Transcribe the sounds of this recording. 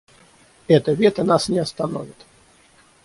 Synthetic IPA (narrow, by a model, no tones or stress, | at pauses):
ɛt̪əvʲɛt̪ənasnʲɪɐst̪ano̰vʲɪt̪